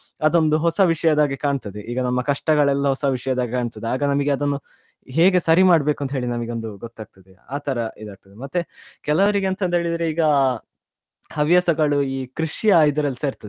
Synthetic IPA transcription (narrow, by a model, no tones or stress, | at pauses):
ɐd̪o̞nd̪uɦɔsɐʋiʂɐjɐd̪aːɡikaːɳt̪ɐd̪eʔiːɡɐnɐmːɐkɐʂʈɐɡɐɭɛlːɐɦɔsɐʋiʂɐjɐd̪aːɡikaːɳt̪ɐd̪eaːɡɐnɐmɐɡeɐd̪ɐnːu | ɦe̞ːɡe̞sɐɾimaːɖbe̞ːkuɐnt̪ɦeːɭinɐmɐɡeo̞nd̪uɡot̪ːaːɡ̚t̪ɐd̪eaːt̪ʰɐɾɐid̪aːɡ̚t̪ɐd̪emɐt̪ːekɛlɐʋɐɾiɡeɐnt̪ɐnd̪ɦeːɭid̪ɐɾeiːɡɐ | hɐʋjɐsɐɡɐɭuiːkɾiʂijɐjid̪ɐɾɐliseɾt̪ɐd̪e